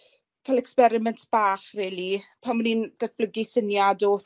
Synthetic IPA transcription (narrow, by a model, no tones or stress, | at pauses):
kʰalˠɛkspɛɾɪmɛntʰb̥aːχreːlˠipʰaməniːnd̥at̚b̥ləɡisənjadoːθ